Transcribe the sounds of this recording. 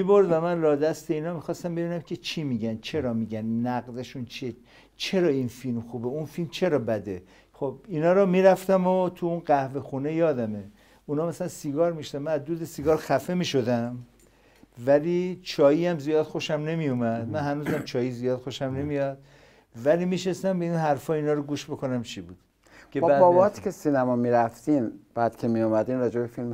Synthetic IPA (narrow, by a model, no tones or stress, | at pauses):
mibo̞ɾd̪væmænlɒːd̪æst̪e̞iːnɒːmixɒːst̪æmbe̞biːnæmkʲʰe̞t͡ʃʰiːmiːɟænt͡ʃʰe̞ɾɒmiɟænnæɡd̪eʃunt͡ʃʰe | t͡ʃʰe̞ɾɒːinfilmxubeunfilmt͡ʃʰe̞ɾɒːbæd̪e | xob̥inɒːɾɒmiːɾæft̪æmot̪ʰuunɢæhve̞xune̞jɒːd̪æme | unɒːmæsælænsiɡɒːɾmiʃod̪æmænæzd̪uːd̪esiɡɒːɾxæfe̞miːʃo̞d̪æm | vælit͡ʃʰɒːjiæmzijɒːd̪̥xo̞ʃæmne̞mijumæd̪̥mænhænuːzæmt͡ʃʰɒːjizijɒːd̪xoʃæmne̞mijɒd̪̥̚ | vælimiʃest̪æmbeinɦæɾfɒːiːnɒːɾoɡuːʃbokʰonæmt͡ʃʰibuːd̪̥ | kʰebæbɒːbt̪ʰi̥kcʰesinæmɒmiɾæft̪inb̥æːd̪kʰemijumæd̪inɾɒːd͡ʒebefilm